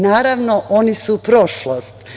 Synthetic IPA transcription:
naːɾaʋnoʔonisupɾoʃlost̪

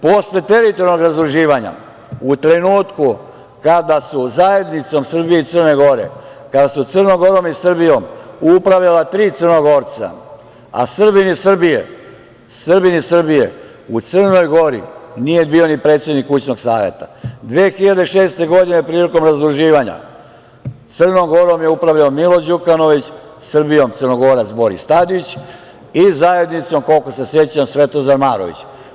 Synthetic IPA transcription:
posle̞t̪e̞ɾit̪o̞ɾnoɡɾazd̪ɾuʒiːʋaɲa̰ | ut̪ɾe̞nuːt̪ku | kad̪asuzae̞d̪nit̪so̞msr̩bije̞it̪sərne̞ɡo̞ɾḛkad̪asut̪sərnoɡo̞ɾo̞misrbijo̞mupɾaʋʎalat̪ɾiːt̪sərnoɡo̞ɾt̪sa̰ | a̰sr̩binisr̩bijḛ | sr̩binisr̩bijḛ | ut̪sərno̞jɡo̞ɾḭnije̞biːo̞nipɾe̞ːt̪sje̞d̪nikːut͡ɕno̞ɡsaːʋe̞̰t̪ad̪ʋeːxiʎad̪eiʃeːst̪e̞ɡo̞d̪inepɾiːliko̞mɾazd̪ɾuʒiːʋaɲa̰ | t̪sərnomɡo̞ɾomjeupɾaʋʎaomilod͡ʑukanoʋit͡ɕ | srbijomt̪ərnoɡoːɾat̪sbo̞ɾḭst̪ad̪it͡ɕ | izaje̞d̪nit̪so̞mko̞lkose̞se̞t͡ɕamsʋet̪ozanmaːɾoʋḭt͡ɕ

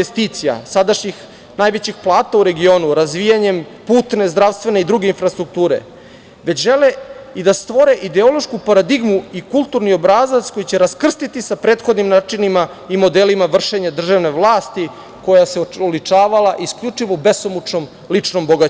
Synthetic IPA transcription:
est̪iːt̪sija̰sad̪aʃɲix | najʋe̞t͡ɕixplˠaːt̪auɾe̞ɡio̞ːnuɾazʋijaɲe̞mpuːt̪ne̞zd̪ɾaʋst̪ʋe̞neid̪ɾuɡe̞infɾast̪ɾuk̚t̪uːɾe̞̰ | ʋe̞t͡ɕʒe̞leid̪ast̪ʋo̞ɾe̞ʔid̪eo̞lˠoʃkupaɾad̪iɡmuikulˠt̪uɾniobɾazat̪sko̞jit͡ɕe̞ɾaskr̩st̪it̪isapɾeːt̪xo̞d̪nimnaːt͡ʂinima | imo̞d̪elimaʋr̩ʃe̞ɲad̪r̩ʒaʋne̞ʋlˠaːst̪i | ko̞jaseolit͡ʂaːʋalˠaʔiskʎʲut͡ʂiʋobe̞somut͡ʃnom | lit͡ʂnomboɡa

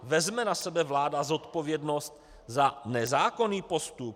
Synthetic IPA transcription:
vɛzmɛnasɛbɛvlaːdazot̪po̞vjɛdnost̪ | zanɛzaːko̞niːpo̞st̪up̚

